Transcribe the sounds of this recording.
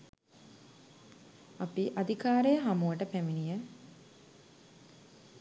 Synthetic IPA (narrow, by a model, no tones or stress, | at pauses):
apiʔad̪ikaːɾejəɦamuʋəʈəpæminijə